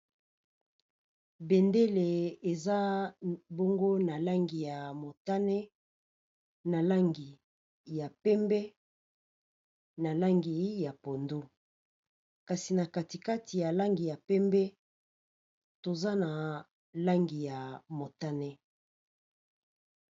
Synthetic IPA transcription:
bɛ˨nde˦le˨e˨za˦bo˦ŋɡo˦na˨la˦ŋɡi˨ja˨mo˨ta˦nɛ˦ | na˨la˦ŋɡi˨ | ja˨pɛ˦mbɛ˦ | na˨la˦ŋɡi˨ja˨po˨ndo˦ | ka˨si˨na˨ka˨ti˨ka˦tʰi˨ja˨la˦ŋɡi˨ja˨pɛ˦mbɛ˦ | to˨za˦na˨ | la˦ŋɡi˨ja˨mo˨ta˦nɛ˦

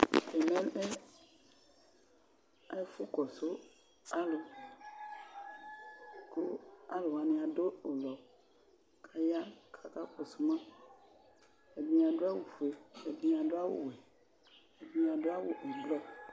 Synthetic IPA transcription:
e˨mẽ˦ne˦ | a̰˦e˦fu˦kɔ˨so˦ | a˦lo˨ | ko˦a˦lo˨wa˨nẽ˨a˨do˦o˨lɔ˨ | kʰa˦ja˦kʰa˦ka˦kɔ˨so˦mã˦ | e˨bĩ˦a˨ɖo˦a˦wo˨fe˦e˨bĩ˦a˨ɖo˦a˦wo̰˨wɛ˨ | e˨bĩ˦a˨ɖo˦a˦wo˨ʔe˨blɔ˦

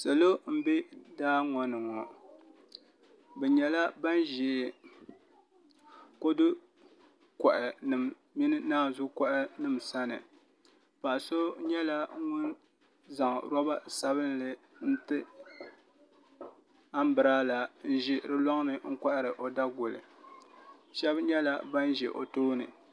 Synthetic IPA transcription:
sɨ˨lo˦m̩˦bɛ˦daː˦ŋɔ˨nɨ˨ŋɔ˨ | bɛ˨ɲɛ˨la˦ba˦nʒɛː˨ | ko˦dɨ˦ | kɔ˨ʔɪ˨nɨ˨m | mi˦nɨ˦naː˦˨zʊ˦kɔ˦˨ʔɪ˦nɨ˨msa˦nɨ˨ | pa˨so˦ɲɛ˦la˦ŋʊ˦n | za˨ŋ̰˨ɾɔ˦ba˦sa˦βɨ˦n˦lɨ˨ | n̩˦tɨ˦ | a˦m˦bɨ˨ɾaː˦la˨n̩˦ʒi˦ɾɨ˦lɔ˦ŋ˦nɨ˨ŋ̩˦kʷa˦ʔɾɨ˨ʔo˨da˦ɡʊ˨lɨ̰˨ | ʃɛ˦bɲɛ˦la˦ba˦nʒɛ̰˨ʔo̰˨toː˦nɨ̰˨

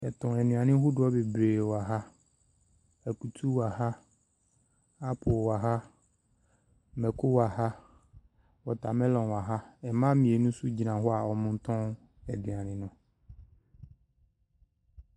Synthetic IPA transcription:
ɛ˨tʊ̃˨ɛ˨nũ˨a˨nɪ̃˦ɦʊ˦dʊ˨˦ɔ˦be˨bɾeː˨wa˨ɦa˦ | ɛ˨ku˨tʰu˦wa˨ha˦ | a˦pʰʊ˨wa˨ɦa˦ | mɛ˨kʰʊ˦wa˨ha˦ | wɔ˨tʰa˨mɛ˦lɔ̃˨nwa˨ɦa˦ɛ˨mã˦mĩ˨e˨nũ˦su˦d͡ʑi˨nã˨ɦɔ˦a˨ɔ˨mʊ̃˦n̩˦tʰɔ̃˦ŋ | ɛ˨dɪ̃˨a˨nɪ̃˨nʊ̃˨

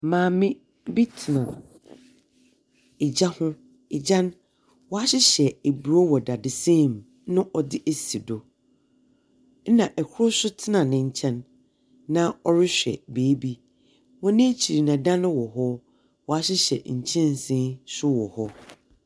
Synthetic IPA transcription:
mãː˨mɪ̃˦ | bi˦tʰɪ˨nã˨ | ɪ˨d͡ʑa˦hʊ̃˦ | ɪ˨d͡ʑã˦n | wɔ˨a˦ɕɪ˦ɕɛ˨e˨bu˨ɾo˦wɔ˨da˨dɪ˨sẽ˦˨m | nʊ̃˦ʔɔ˨dɪ˦ʔe˨si˨do˨˦ | nã˨ʔɛ˨kʰʊ˦ɾʊ˦sʊ˦tʰɪ˦nã˨nɪ̃˨ɲ̩˨t͡ɕʰɛ̃˦nː | ã˦ɔ˦ɾɪ˦ɕᶣɛ̰˨beː˨˦bi˦ | wɔ̃˦nɪ̃˦t͡ɕʰi˨ɾi˨nã˨dã˦nʊ̃˦wɔ˨ɦɔ˦ | wɔ˨a˦ɕɪ˦ɕɛ̰˨ɲ̩˨t͡ɕʰɛ̃˦n˨sɪ̃˦ɕʊ˦wɔ˨hɔ˦

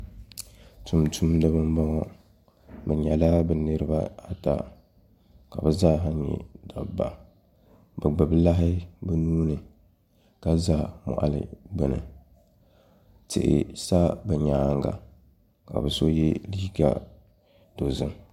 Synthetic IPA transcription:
tʰu˨mtʰu˦mdɨ˦bɨ˦m˦bɔ˦ŋɔ˦ | bɨ˨ɲɛ˨la˦bɨ˨nɨ˦ɾɨ˦ba˦a˦ta̰˨ | ka˨bɨ˨zaː˦ɦa˦ɲ˦ɲɛ̰˨da˨ba˨ | bɨ˨ɡ͡bɨ˨bla˦ɦɪ˦bɨ˦nuː˦nɨ˨ | ka˦zaː˦˨mɔ̰˨ʔa̰˨lɨ̰˨ɡ͡bɨ˨nɨ̰˨ | tɪ̰˨ʔɪ̰˨sa˦bɨ˨ɲaː˦ŋɡa̰˨ | ka̰˨bɨ˨so˦jɛ˦li˦ɡa̰˨ | do˨zɨ˦m

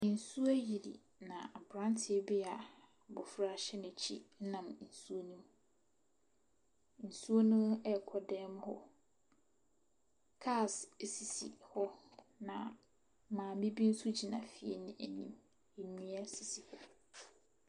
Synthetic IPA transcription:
n̩˨su˦æ˦ji˨dḭ˨ | nã˨a˨bɾã˦n˦tʰɪ˨˦bi˦a˨ | bʊ˨fɾa˦˨ɕɛ˦nʊ̃˨t͡ɕʰḭ˦nã˨mn̩˨su˦o˦nũ˦m | n̩˨su˦o˦nũ˦ɛ˦kʰɔ˦dɛ̃˦mhɔ̰˦ | kʰa˦˨ssi˨sḭ˨hɔ˦nã̰˨ | mãː˨mĩ˦bi˦n̩˦su˦d͡ʑi˨nã̰˨fi˨e˦nʊ̃˦æ˨nĩ˨m | e˨nĩ˦æ˦si˨si˨hɔ˦

